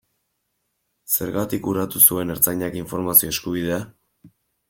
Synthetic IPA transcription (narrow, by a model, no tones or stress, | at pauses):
se̞ɾɣat̪ikuɾat̪usue̞ne̞ɾt͡saɲakiɱfo̞ɾmasio̞e̞skuβ̞ið̞e̞a